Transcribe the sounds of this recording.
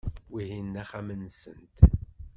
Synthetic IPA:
wihinːæχæmənsənt̪

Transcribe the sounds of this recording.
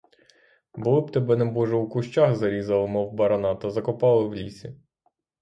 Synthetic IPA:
bʊlˠɪb̚t̪ɛbɛnɛbɔʒɛwkʊʃt͡ʃaxzɐɾʲizɐlˠɪmɔwbɐɾɐnɑt̪ɐzɐkɔpɑlˠɪwlʲḭsʲi

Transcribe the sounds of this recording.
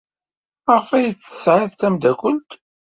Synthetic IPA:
æʁfæjət͡sːə̥sʕɪðt̪æmd̪ækʷʊnt̪

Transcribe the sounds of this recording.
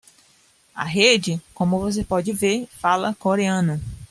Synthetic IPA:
ɐ̰ɦed͡ʒɪkõmʊvos̬epɔd͡ʒɪveɾfalɐkoɾeɐ̃nɐ

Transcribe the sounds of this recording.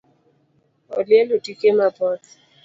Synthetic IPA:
ɔ̰ljɛlotikemabɔt

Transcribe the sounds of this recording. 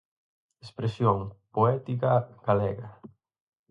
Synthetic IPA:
espɾesjoŋpoɛt̪ikɐɡ̥alɛɣɐ

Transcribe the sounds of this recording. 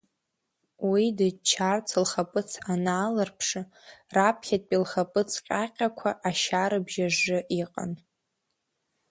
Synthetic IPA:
widat͡ʃʰart͡sʰɨlχapʼɨt͡sʰanaːlɨrpʰʂɨ | rapʰχʲatʼpʼilχapʼɨt͡sʰqʲʼaqʲʼakʷʰaʔaʃaɾɨbʒaʐɨʔiqʼa̰n

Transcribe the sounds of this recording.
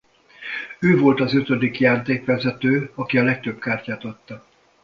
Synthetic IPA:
øːvo̞lt̪ɒzøt̪ø̞d̪ikjaːrt̪eːkʋɛzɛt̪øːɒkiɒlɛk̚t̪ø̞b̚kaːrcaːt̪ɒt̪ːɒ

